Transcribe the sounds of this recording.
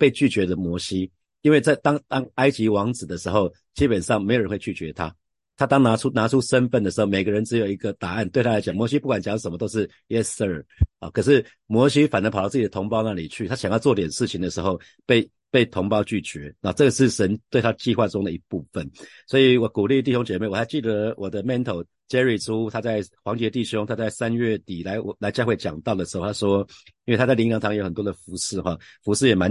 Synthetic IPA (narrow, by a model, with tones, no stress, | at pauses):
pe˥˧ɪt͡ɕy˥˩t͡ɕɥɛ˧˥də˨mwɔ˧˥ɕi˦ | i˥nwe˥˧ɪt͡sa˥˩ɪt̪ɑ˥ŋt̪ɑ˥ŋa˥ɪt͡ɕi˧˥wɑ˧˥ŋt͡sɹ̩˨˩d̪ə˩ʂɻ̩˧˥xo˥˩ʊ | t͡ɕi˥pə˨˩nʂɑ˥˩ŋme˧˥ɪo˨ɻə˦nwe˥˧t͡ɕʰy˥˩t͡ɕɥɛ˧˦t̪ʰa˦ | t̪ʰa˥t̪ɑ˥ŋna˧˥ʈ͡ʂʰu˥na˧˥ʈ͡ʂʰu˦ʂə˦˥nfə˥˩nd̪ə˩ʂɻ̩˧˦xo˥˩ʊme˨˩ɡə˦ɻə˧˦nʈ͡ʂɻ̩˧˥jo˨˩ʊi˧˥ɡə˨t̪a˨˩a˥˩nt̪we˥˧ɪt̪ʰa˥la˧˥t͡ɕjɑ˨˩ŋmwɔ˧˦ɕi˦pu˥˩kwa˨˩nt͡ɕjɑ˨˦ŋʂə˨˩mə˦t̪o˥ʊʂɻ̩˥˩ | ɛ˥sə˥ə˨˩ɔ̰˨˩kʰə˨˩ʂ̬ɻ̩˥˩ | mwɔ˧˥ɕi˦fa˨˩nə˧˥p̪ʰa˥˦t͡s̩˥˩t͡ɕi˨˩ə˩t̪ʰŋpɑ˥ʊna˥˨˩li˨˩t͡ɕʰy˥˩a˥ɕjɑ˨˩ŋjɑ˥˧ʊt͡swɔ˥˨i˥t̪jɛ˨˩nʂɻ̩˥˩t͡ɕʰi˨˩ŋd̪ə˩ʂɻ̩˧˦xo˥˧ʊ | pe˥˧ɪ | pe˥˩ɪt̪ʰʊ˧˥ŋpɑ˥ʊt͡ɕy˥˩t͡ɕɥɛ˧˦na˥˩˨ʈ͡ʂɤ˥˩ɡə˩ʂɻ̩˥˩ʂə˧˦˥nt̪we˥˩ɪt̪ʰa˥ə˧t͡ɕi˥˧xwa˥˧ʈ͡ʂʊ˥ŋd̪ə˨i˧˥pu˥˩fə˨˩nswɔ˧˥i˨˩wɔ˨˦ku˨˩li˥˧t̪i˥˩ɕjo˥ŋt͡ɕjɛ˨˩me˥˩wɔ˨˩t̪ʰa˥ɪt͡ɕi˥˩d̪ə˩wʔɔ˨˩d̪ə˦mɛ˥˧nt̪ʰo˨˩ʊ | t͡ɕɛ˥ɹi˨˩ʈ͡ʂʰu˦t̪ʰa˥t͡sa˥˩ɪxwɑ˧˥ŋt͡ɕjɛ˧˥t̪i˥˩ɕjo˥ŋt̪ʰa˥t͡sa˥˩ɪsa˦nɥɛ˥˩t̪i˨˩la˧˥ɪɔ˨˩la˧˥ɪt͡ɕɑ˥˧xwe˥˩ɪt͡ɕjɑ̰˨˩ŋt̪ɑ˥˩ʊd̪ə˩ʂɻ̩˧˥xo˥˩ʊt̪ʰa˥ʂwɔ˦˥i˥nwɪa˥t͡sa˥˩ɪli˧˥ŋjɑ˧˥ŋt̪ʰɑ˧ŋjoə˨˩nt̪wɔ˥d̪ə˨˩fu˧˥˦ʂɻ̩˥˧xɔ˥˩fu˧˥ʂɻ̩˥˩jɛ˨˩ma˧˦n